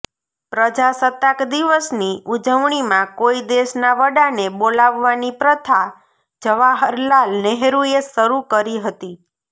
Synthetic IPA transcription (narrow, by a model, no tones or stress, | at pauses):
pɾəd͡ʒasət̪akd̪iʋəsniud͡ʒəʋɳ̃imãkoid̪eʃnaʋəɽanebolaʋːanipɾət̪ʰa | d͡ʒəʋaɦəɾlalnɛɦɾuesəɾukəɾiɦət̪i